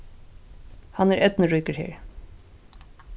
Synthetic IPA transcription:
hanæɹɛt̪nəɹuːkəɹhḛːɹ

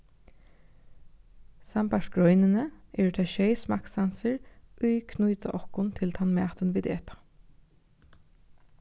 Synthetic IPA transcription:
sampaʂɡɹɔʏnɪnəʔɛɹt̪ʰɛʃeɪsmaksansəɹujkʰnujt̪a̰ʔɔhkʊnt̪ʰɪlt̪ʰanmæ̰ːt̪ənʋiːd̪ḛːt̪ḁ

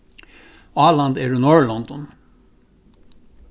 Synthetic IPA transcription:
ɑːlɑnd̪æːɾʉːnoːɹlɔnd̪ɔn

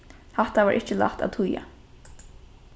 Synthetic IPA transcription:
hat̪aʋaːʔɪht͡ʃɪla̰ht̪a̰t̪ʰʊja̰

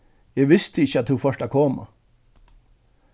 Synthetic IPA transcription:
jæɪʋɪst̪ʰəɪçːəɑt̪hufœʂʈakʰɔːma̰

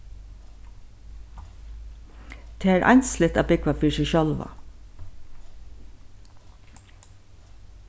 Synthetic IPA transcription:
t̪ʰeːæːɾʔɑ̰jnslɪt̪ɑːbɪkʋafiːʃɛʃœlʋa̰

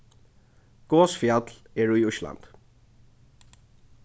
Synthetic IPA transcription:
ɡ̥oːsfjat̪lɛɹujʊʃla̰nt̪

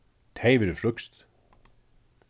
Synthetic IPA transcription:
t̪ʰeːjvɪɾɪflʏkst̪

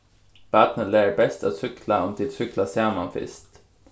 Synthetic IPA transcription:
b̥æt̪nəleːɹbɛst̪a̰t̪sʏkʰlaɔmt̪ʰɪlsʏklasjæːmɑnfɪ̰st̪

